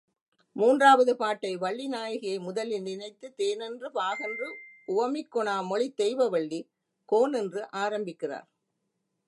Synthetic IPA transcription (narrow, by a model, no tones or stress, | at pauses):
muːndraːʋɐðɯpaːʈːɐɪʋɐɭːinaːjɐɣɐjɐɪmʊðɐlɪnɪnɐɪt̪ːɯt̪eːnɛndrɯpaːɣɐndrɯʔʊʋɐmɪkːɔɳaːmɔɭɪt̪ːɛjʋɐʋɐɭːi | koːnɛndrɯʔaːɾɐmbɪkːɪra̰ːɾ